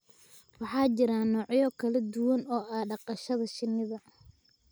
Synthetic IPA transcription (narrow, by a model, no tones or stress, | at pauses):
wɑħɑːt͡ʃɪɾaːnɔːʕjɔkʰɐlɐd̪ʊwɐnɔːʔɐːɖɑqɑʃɐðɐʃɪnːɪðɐ